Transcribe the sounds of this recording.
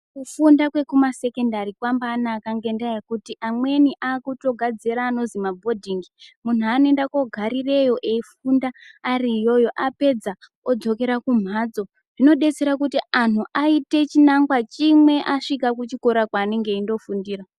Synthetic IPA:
kufundakwe̞kumase̞ke̞ndaɾikwambaːnakaŋɡe̞ndajekutiʔamwe̞niʔaːkuto̞ɡʱad͡ziɾaːno̞zimabʱo̞dʱiŋɡimun̤uanoe̞ndako̞ɡʱaɾire̞jo̞ʔeifundaːriːjo̞jo̞ʔape̞d͡za | od͡zo̞ke̞ɾakum̤ad͡zo̞ | ʐ̥ino̞ɗe̞t͡se̞ɾakutianuʔaite̞t͡ʃinaŋɡwat͡ʃimwe̞ʔaʂikakut͡ʃiko̞ɾakwaːneŋɡe̞indo̞fundiːɾa

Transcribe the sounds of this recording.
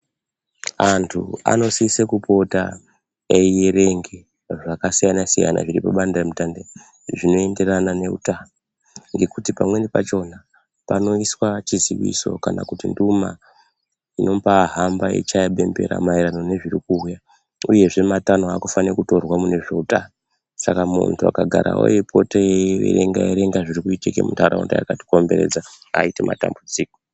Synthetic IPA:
antʰua̰no̞sisekupo̞ta̰ | ejeɾe̞ŋɡe | ʐakasijanasija̰na̰ʐiɾḭpa̰ɓandaremitande | ʐino̞e̞nde̞ranane̞ṵtaːno | ŋɡe̞kutipamwenepa̰t͡ʃo̞na | pano̞iswat͡ʃiziʋḭso̞̰kana̰kutinduma̰ | ino̞paɦambaḛt͡ʃajaɓe̞mbe̞̰ɾa̰maiɾano̞ne̞ʐirikuːja | uje̞ʐe̞matanoakufanekuto̞rwamune̞ʐe̞uta | sakamṵntʰua̰kaɡʱaɾa̰o̰jepʰo̞teeʋḛɾeŋɡaeɾe̞ŋɡaʐirikuitikḛmutaɾa̰ṵnda̰jakati̥ko̞mbe̞ɾed͡zaa̰ite̞ma̰ta̰mbud͡ziːko

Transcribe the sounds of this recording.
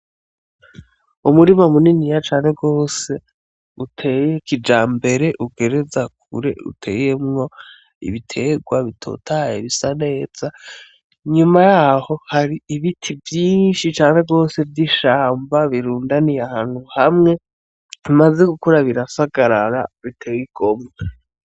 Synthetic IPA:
umuɾimamuninijat͡ʃaːnhe̞ɡo̞ːse̞ | utʰejekid͡ʒaːmbe̞ɾe̞ʔuɡe̞ɾe̞zak̚uɾe̞̰ṵtʰe̞̰ːje̞mŋo̞ | ḭβitʰe̞ɡwaβitʰo̰ːtʰajḛβisane̞ːz̥a | ɲumajaho̞haɾiːβitʰivjiːnʃit͡ʃaːn̥e̞ɡo̞ːse̞vjiʃaːmbaβiɾuːndanijahaːn̥huhamŋe̞ | imaze̞ɡukuɾaβiɾasaɡaɾaɾa̰βitʰe̞wiɡ̥o̞mɡe

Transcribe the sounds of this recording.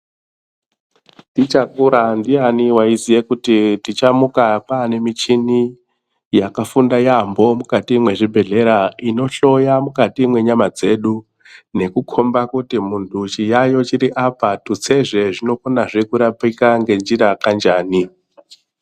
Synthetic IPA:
ndit͡ʃakuɾandianiwaizijekutitit͡ʃamukakaːne̞mit͡ʃini | jakafundajambo̞mukatimwe̞ʐibʱe̞ɮe̞ɾaino̞ɬo̞jamukatimwe̞ɲamad͡ze̞ːɗu | ne̞kukʰo̞mbakutimuntʰut͡ʃijajo̞t͡ʃiɾiʔapatut͡se̞ʐe̞ʐino̞konaʐekuɾapikaŋɡe̞nd͡ʒiɾakand͡ʒaːni

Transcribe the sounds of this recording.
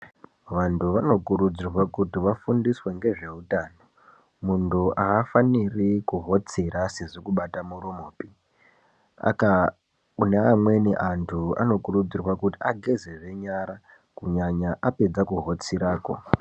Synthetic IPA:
ʋantʰuʋano̞kuɾud͡zirwakutiʋafundiswe̞ŋɡe̞ʐe̞utaːno̞ | muntʰuʔaːfanirikuɦo̞t͡sirase̞ʐo̞kuɓatamuromoːpi | a̰ka | uneamwe̞niʔantʰua̰no̞kurud͡zirwakutiaɡʱe̞zeʐe̞ɲaɾa | kuɲaɲaʔape̞d͡zakuɦo̞t͡siɾaːko̞̰

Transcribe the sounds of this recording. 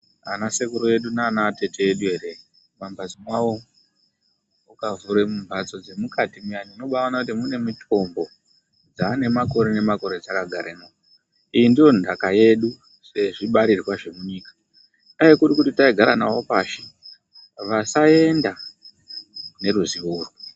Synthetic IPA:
a̰nasekuɾoje̞ɗunaːnate̞tejeɗuɦe̞ɾe̞ | mambad͡zimwawo̞ | ukavuɾemumbʱat͡so̞d͡zemukatimianino̞ɓaonakutimune̞mitʰo̞mbo̞ | d͡zaːne̞mako̞ɾene̞mako̞ɾe̞d͡zakaɡʱaɾenao | ijindijo̞ndakaje̞ɗu | se̞ʐiɓaɾirwaʐe̞muɲiːkḁ | aekurikutitaiɡʱaɾana̰wo̞paːʃe | ʋasae̞nda | ne̞ruziʋuːru

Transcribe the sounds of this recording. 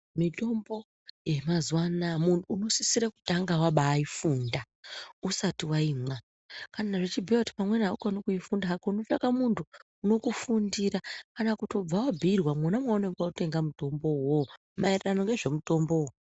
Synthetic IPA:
mito̞mbo̞ | je̞mazwanamuntuːno̞sisiɾaku̥taŋɡawaɓaːifuːnda | usatiwaiːmwa | kananaʐet͡ʃibʱiati̥pamwe̞nɦaukanokujifundaɦakouno̞t͡ʃakamuntʰuː | no̞kufundiɾakanakuto̞b͡vawabʱirwamwonamwaonekaute̞ŋɡamuto̞mbo̞wo | mairerano̞ŋɡe̞ʐe̞muto̞mbo̞wo

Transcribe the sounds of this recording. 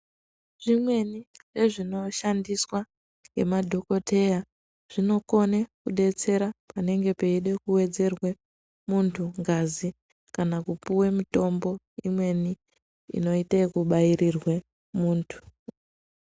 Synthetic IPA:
ʐ̥imwe̞niʐe̞ʐino̞ʃandiswa | ŋɡe̞̰madʱo̞ko̞tʰe̞ja | ʐ̥ino̞ko̞nekuɗe̞t͡se̞ɾapane̞ŋɡe̞pe̞iɗe̞kuwe̞d͡ze̞rwe | muntʰuŋɡazi | kanakupuwemuto̞mbo̞ | imwe̞ni | ḭno̞itakuɓairirwe | muːntʰu̥

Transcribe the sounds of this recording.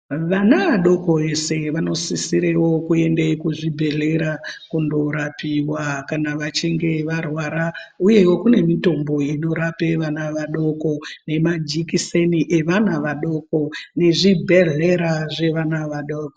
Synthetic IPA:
ʋanaʋaɗo̞ko̞e̞se̞ʋano̞sisiɾewo̞kue̞ndekuʐibʱe̞ɮeɾakundo̞ɾapiwakanaʋat͡ʃiŋɡe̞ʋarwaɾauje̞wokune̞mito̞mbo̞ino̞ɾape̞ʋanaʋaɗo̞ko̞ne̞mad͡ʒikiseniʔeʋanaʋaɗo̞kone̞ʐibʱe̞ɮe̞ɾaʐe̞ʋanaʋaɗoːko

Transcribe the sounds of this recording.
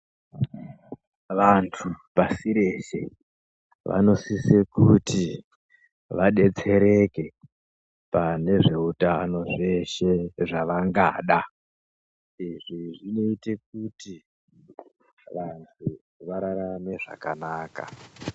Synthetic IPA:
ʋantʰupasiɾe̞ʃe̞̰ | ʋʔa̰no̞sisekuti | ʋaɗe̞t͡se̞ɾe̞ke̞ | pane̞ʐe̞utano̞ʐe̞ʃe̞ʐaʋaŋɡa̰ːɗa | iʐiʐino̞ite̞k̚uti | ʋantʰu | ʋaɾaɾame̞ʐa̰kanaːka̰

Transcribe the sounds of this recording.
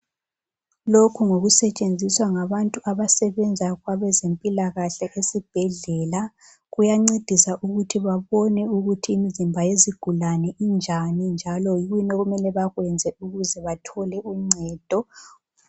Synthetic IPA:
lokʰuŋoɣusɛt͡ʃʼend͡zʱiswaŋaβantʼuʔaβasɛβɛnd͡zʱaɣwaβɛzempʼilaɣaɬɛʔesib̥ʱɛɮɛːla | ɣujaŋ͡ǀed̥ʱisaʔuɣutʰiβaβɔnɛuɣutʰiːmizimbʱajeziɡ̥ʱulanɛind͡ʒʱanind͡ʒʱalɔjiɣwinɔɣumɛlɛβaɣwɛnd͡zʱɛuɣuzɛβatʰɔlɛuŋ͡ǀʱɛːd̥ʱɔ

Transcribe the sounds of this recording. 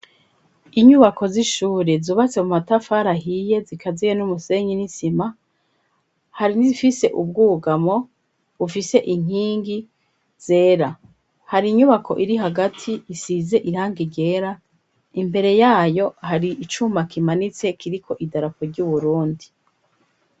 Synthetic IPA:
iɲuβako̞ziʃuːɾezuːβat͡se̞mumatafaɾaɦije̞zikʰazijenumuse̞ɲinisima | haɾinizifise̞ʔub̚ɡuːɡamo̞ | βufise̞ʔiŋ̥iːŋɡi | z̥e̞ːɾa | haɾiɲuβakʰo̞̰ʔiɾiɦaɡatʰiːsize̞ʔiɾaːŋɡiɟe̞ːɾa | imbe̞ɾe̞jaːjo̞haɾiʔit͡ʃumakimanit͡se̞kiɾikʰo̞ʔidaɾapoɾɟuβuɾuːndi

